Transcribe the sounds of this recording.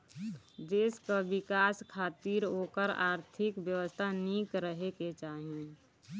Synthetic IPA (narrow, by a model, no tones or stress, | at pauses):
d͡ʒeɪskaʋɪkaːskʰaːt̪iːɾɦoːkəɾa̰ːɾt̪ʰɪkʋjəʋəst̪ʰaniːkɾəɦeket͡ʃaːɦie